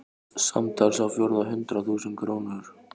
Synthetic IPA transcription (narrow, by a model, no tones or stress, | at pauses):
sa̰mt̪ʰalsawfjɔːɾʏðaɦʏnt̪ɾaθuːsʏnkʰɾoːwnʏɾ̥